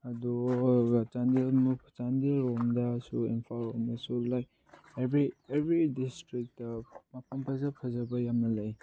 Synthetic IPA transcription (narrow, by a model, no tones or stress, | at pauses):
ɐdu | t͡ʃandilmupʰt͡ʃandilɾoŋdɐsuinpʰaloŋdɐsulaj | ebɾiebʱɾidistɾik̚tɐmɐpʰɐmpʰɐzɐpʰɐzɐbɐjamnɐlaj